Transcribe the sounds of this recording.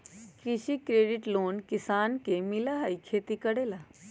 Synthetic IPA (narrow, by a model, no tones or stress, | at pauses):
kɾɪʃikɾeːɖɪʈloːnkɪsaːnkemɪlaɦaikʰeːt̪ikəɽeːla